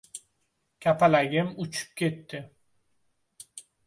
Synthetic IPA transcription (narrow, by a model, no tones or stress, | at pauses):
kʲʰapalaɡʲɪmʊt͡ʃʰʊ̥p̚kʲʰe̞t̪ːɪ